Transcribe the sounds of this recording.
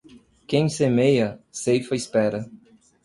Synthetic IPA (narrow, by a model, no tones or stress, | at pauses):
kẽj̃semejɐsejfɐispɛɾɐ